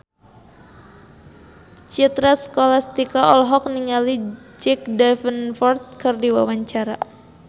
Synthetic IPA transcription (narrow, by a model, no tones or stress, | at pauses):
t͡ʃit̪ɾasə̥kolast̪ikaʔɔlɦɔk̚niŋalid͡ʒɛk̚dɛfənfɔrt̪̚kɨrdiwawaɲt͡ʃaɾa̰